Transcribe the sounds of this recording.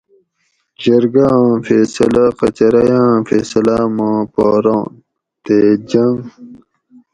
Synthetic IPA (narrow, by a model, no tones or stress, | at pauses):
d͡ʑɐɾɡãfeːsɐlaqɐ̰t͡ɕɐɾɐjãːfeːsɐlamãːpoːɾõːn | t̪ed͡ʑɐŋ